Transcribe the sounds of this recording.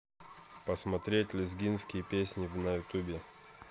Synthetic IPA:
pəsmɐt̪ɾʲetʲlʲɪzɡʲinskʲɪjəpʲesʲnʲɪvnɐjʊt̪ubʲɪ

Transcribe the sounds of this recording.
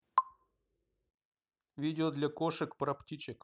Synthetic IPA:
vʲidʲɪod̪lʲakoʂɨkpɾɐptʲit͡ɕɪk

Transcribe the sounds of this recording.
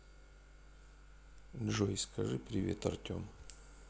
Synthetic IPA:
ʐojskɐʐɨpɾʲɪvʲḛt̪ɐrt̪ʲo̰m

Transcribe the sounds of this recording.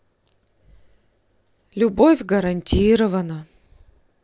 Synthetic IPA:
lʲʊbofʲɡəɾɐnʲtʲiɾəvənə

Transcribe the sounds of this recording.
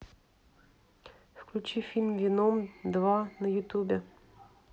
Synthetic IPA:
fklʲʉt͡ɕifʲilʲmvʲɪnomd̪vanəjʊt̪ʲubʲɪ

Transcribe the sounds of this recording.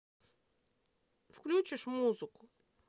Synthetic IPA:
fklʲut͡ɕɪʂmuzɨkʊ̥

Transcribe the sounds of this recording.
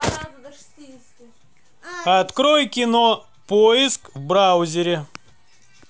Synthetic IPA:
ɐt̪kɾojkʲɪnɔ | pojɪskvbɾawzʲɪɾʲɪ

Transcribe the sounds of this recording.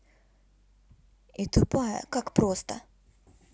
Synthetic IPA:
it̪ʊpajə̰kakpɾost̪ə

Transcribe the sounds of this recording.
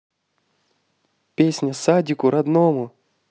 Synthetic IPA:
pʲesʲnʲəsadʲɪkʊɾad̪nomʊ

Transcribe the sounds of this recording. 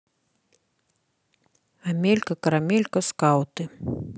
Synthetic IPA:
amʲelʲkɐkɐɾamʲelʲkɐskawt̪ɨ

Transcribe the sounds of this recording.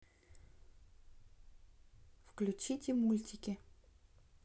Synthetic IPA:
fklʲʉt͡ɕitʲɪmulʲtʲɪkʲɪ

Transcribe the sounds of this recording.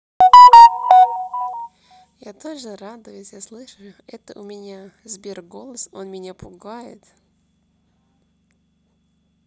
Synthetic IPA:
jat̪oʒəɾad̪əvəsʲjaslˠɨʂəjʊ | ɛt̪əʔʊmʲɪnʲa | zbʲerɡo̞lˠəsonmʲɪnʲapʊɡajɪ̰t̪

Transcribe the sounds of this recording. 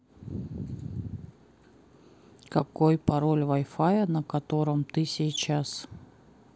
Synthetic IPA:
kɐkojpɐɾolʲvɐjfajənəkɐt̪o̞ɾəmt̪ɨsʲijt͡ɕas

